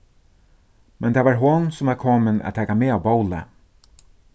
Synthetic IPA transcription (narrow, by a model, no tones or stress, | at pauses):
mɛnt̪ʰaːvaːɹɦʊnsʊmvaɾkʰɔːmɪnæ̰tt̪ʰɛːkameːaːwbowlə̰